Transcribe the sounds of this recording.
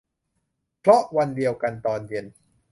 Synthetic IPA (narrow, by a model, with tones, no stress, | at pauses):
pʰlɔ˦˥ʔwa˧ndi˧əwka˧nt̪ɔː˧ndi˧˩ən